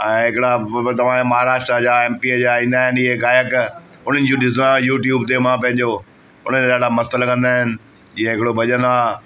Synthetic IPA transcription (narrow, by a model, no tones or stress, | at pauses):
ɛ̃ːɦɪkɪɽat̪ɐʋ̤ãd͡ʑamɐɦaːɾaːʃʈɾəd͡ʑaeːmpid͡ʑaːĩːnd̪aːɦɪnɪɦeɡaːjək | ʊn̤ənɪ̆d͡ʑõɗɪzãjuːʈjuːbt̪emãpɐ̃ɦɪ̃ɲd͡ʑo | ʊn̤ənd͡ʑaɗaːɽamɐsəlkɐ̃nd̪aːɦɪnɪ̆ | iɦẽɦɪkɪɽobʱɐʄənaː